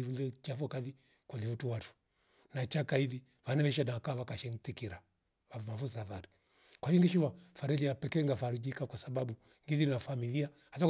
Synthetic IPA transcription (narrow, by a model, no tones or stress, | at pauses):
iɾuðɛt͡ʃafɔkaði | kɔðivutuwatu̥ | nat͡ʃakaiði | vanaβɛʃ̬anaakaβakaʃɛŋtikiɾa | vamafusavaɾi | kwaʃiŋɡiʃivafaɾɛðiapɛkɛŋɡafaɾid͡ʒikakwasabaɓu | ŋɡiðinnafamilia | has̬a